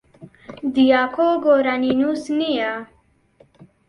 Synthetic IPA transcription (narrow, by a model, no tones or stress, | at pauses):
d̪ijakʰoɡoɾaninusnija